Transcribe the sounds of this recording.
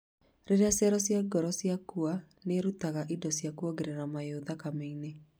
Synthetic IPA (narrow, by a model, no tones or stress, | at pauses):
ɾeɾasjaɾɔsjaɡɔɾɔsjakua | neɾutaɣaʔidɔsjakuoɣeɾeɾamajoðakameine